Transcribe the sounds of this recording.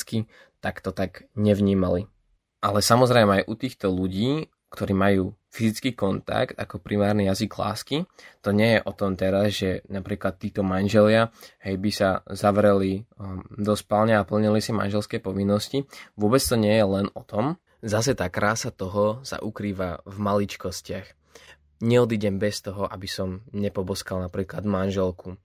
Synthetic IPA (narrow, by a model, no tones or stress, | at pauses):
ski | t̪akt̪ɔt̪aɡɲɛʋɲiːmali | ʔalɛsamɔzɾɛjmɛajʔut̪iːxt̪ɔluɟiː | kt̪ɔɾiːmajuːfizit͡skiːkɔnt̪a̰kt̪a̰kɔpɾimaːɾnijaziɡla̰ːskit̪ɔɲɛjɛʔɔt̪ɔmt̪ɛɾazʒɛnapɾiːklat̪ːiːt̪ɔmanʒɛlɪaɦɛjbisazaʋɾɛlid̪ɔscpalɲɛapl̩ɲilisima̰nʒɛlskɛːpɔʋinːɔsciʋʊɔbɛt͡st̪ɔɲɪɛjɛlɛnɔt̪ɔm | zasɛt̪aːkɾaːsat̪ɔɦɔsa̰ʔukɾiːʋavmalit͡ʃkɔscɪax | ɲɛɔd̪iːɟɛmbɛst̪ɔɦɔʔabisɔmɲɛpɔbɔskalnapɾiːklad̪manʒɛlkʰu